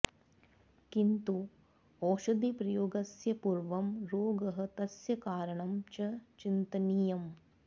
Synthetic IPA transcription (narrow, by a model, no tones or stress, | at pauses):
kint̪u | oːʃɐd̪ipɾɐjoːɡɐsjɐpuɾʋɐmɾoːɡɐɦɐ̆t̪ɐsjɐkaːɾɐɳɐmt͡ʃɐt͡ʃint̪ɐniːjɐm